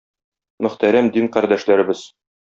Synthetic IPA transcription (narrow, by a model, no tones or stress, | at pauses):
mɵ̆χt̪æɾæmd̪iŋqæɾd̪æʃlæɾɘ̆bɘz̥